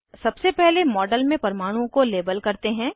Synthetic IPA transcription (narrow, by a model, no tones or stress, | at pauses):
sɐbsepɛɦlemɔːɖəlmẽpɐɾmaːɽ̃ũkoleːbəlkɐɾt̪eɦɛ̃ː